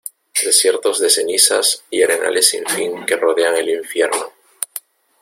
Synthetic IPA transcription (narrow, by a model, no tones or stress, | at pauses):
d̪e̞sje̞ɾt̪o̞zðe̞se̞nisasiaɾe̞na̰lʔe̞sːḭɱfiŋke̞roðe̞aŋe̞liɱfje̞ɾno